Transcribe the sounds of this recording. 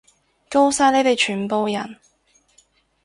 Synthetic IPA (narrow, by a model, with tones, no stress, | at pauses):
ko˥˧wsaː˧ne˨˥jt̪e˨jt͡ʃʰyː˨˩npo˨˧wjɐ˨˩n